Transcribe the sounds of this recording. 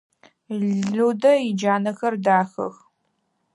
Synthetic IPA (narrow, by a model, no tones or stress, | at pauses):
ɮudɐid͡ʒaːnɐxɐrdaːxɐ̰x